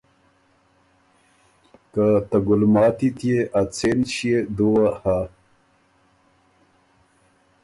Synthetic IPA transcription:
kat̪ɐɡulmɑːt̪it̪ijeʔat͡sʰenɕied̪uwaha

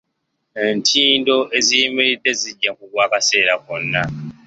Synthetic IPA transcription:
e̞ntʰiːndo̞ʔe̞zijimiɾidːe̞ziɟːakuɡwaːkase̞ːɾakonːa

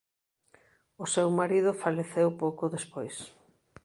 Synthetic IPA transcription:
ʊsewmaɾið̞ʊfaleθewpowkʊðespojs

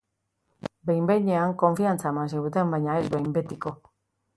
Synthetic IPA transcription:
bejmbeɲeaŋko̞ɱfiant͡samansiɣut̪embajɲaezbejmbet̪iko

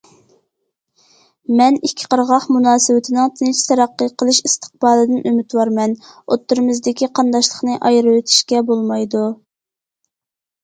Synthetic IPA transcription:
mɛnikʲʰːɪ̥qʰəɾʁɑχmunɑːsɨwɪt̪ʰɪnɪŋt̪ʰɪnɪt͡ʃʰi̥t̪ʰɛɾɑqːəqʰəlˠɨʃist̪ʰə̥q̚bɑːlˠɨd̪ɪnʔømɪt̪wɑɾmɛnot̪ːɨɾɨmɨzd̪ɪkʲiqʰɑnd̪ɑʃlˠəχnɨʔɑjɾɨwet̪ʰɪ̥ʃkʲɛbolˠmɑjd̪u

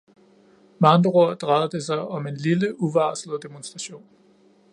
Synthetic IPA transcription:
mɑ̈nd̥ʁo̝ɐ̰d̥ʁɑð̩ˠd̥esɑ̈ɪɒ̽me̝nliləʔuʋɑ̈ːslð̩ˠd̥emonsd̥ʁɑ̈ɕo̝̰ːn

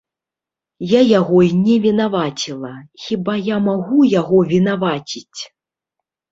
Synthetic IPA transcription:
jajaɣɔinʲɛvʲinavat͡sʲilˠɐxʲibajamaɣujaɣɔvʲinavat͡sʲit͡sʲ

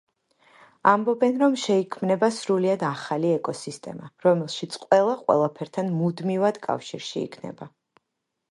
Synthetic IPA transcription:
ambɔbɛnɾɔmʃɛikʰmnɛbasɾuliad̪aχaliɛkʼɔsist̪ʼɛ̰maɾɔmɛlˠʃit̪sʰʼqʼwɛlˠaqʼwɛ̰lˠapʰɛɾt̪ʰanmud̪mivad̪̥kʼa̰fʃiɾʃḭːkʰnɛ̰ba

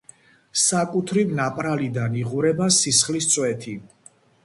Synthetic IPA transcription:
sakʼut̪ʰɾivnapʼɾalid̪aniʁuɾɛbasisχlist̪sʼwɛt̪ʰi

